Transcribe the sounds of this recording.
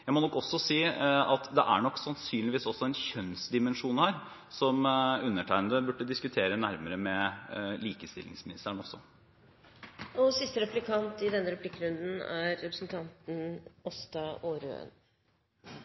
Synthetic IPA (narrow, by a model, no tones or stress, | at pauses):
jæɪmɔnɔkːɔsːɔsiːɑt̪d̪ɛʔæɳɔkːsɑnsyːnlɪʋiːsɔsːɔɛnçœnsd̪ɪmɛnʂuːnhæːɾ | sɔmʉnːəʈʰæɪnd̪əbʉʈːəd̪ɪskʉt̪ʰeːɾənæɾməɾəmɛliːkəst̪ɪ̰lːɪ̰ŋsmɪnɪst̪əɾəɳɔsːɔ | ɔsɪst̪əɾɛplɪkʰɑnt̪ɪd̪ɛnːəɾɛplɪkːɾʉnd̪n̩æɾːɛpɾəsənt̪ʰɑnt̪n̩ɔst̪ɑʔoːɾø̰ə̰n